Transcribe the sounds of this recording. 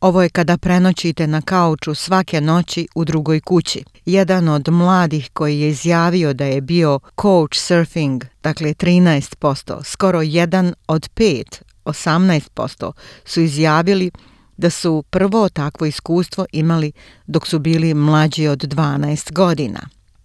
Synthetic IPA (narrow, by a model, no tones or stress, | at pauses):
o̞ʋo̞je̞kad̪apɾe̞not͡ɕit̪e̞nakaut͡ʃusʋake̞no̞t͡ɕiud̪ɾuɡo̞jkut͡ɕi | jed̪ano̞d̪mlˠaːd̪ixko̞jije̞izjaːʋio̞d̪ajebio̞kʰowt͡ʃseɾfiŋɡd̪̥aklet̪ɾiːnaest̪po̞st̪o̰ːsko̞ɾo̞jed̪ano̞d̪peːt̪ | osamnaest̪̚po̞̰st̪o̞̰suizjaːʋili | d̪asupr̩ʋo̞t̪akʋo̞iskuːst̪ʋo̞ʔimali | d̪o̞ksubiːlimlˠad͡ʑio̞d̪ːʋaːnaest̪ɡo̞d̪ina̰